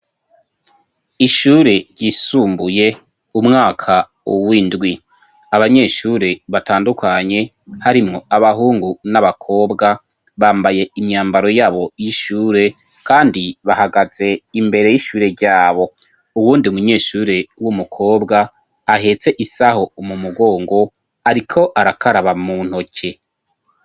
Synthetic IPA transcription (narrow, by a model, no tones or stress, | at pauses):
iʃuːɾe̞ɟɟisuːmbuje̞ | umŋaːkʰa | uwindɡwi | aβaɲe̞ʃuɾe̞βataːndukʰaɲe̞ | haɾimŋo̞aβaɦuːŋɡunaβakʰo̞ːbɡa | βaːmbaje̞imɲaːmbaɾo̞jaːβo̞jiʃuːɾe̞ | kaːndiβahaɡaz̥e̞imbe̞ɾe̞jiʃuːɾe̞ɾɟaːβo̞ | uwuːndiumuɲe̞ːʃuːɾe̞wumukʰo̞ːbɡaː | ɦe̞t͡se̞ʔisaho̞umumuɡo̞ːŋɡo̞ | aɾikʰo̞ʔaɾakʰaɾaβamuːn̥hocʰe̞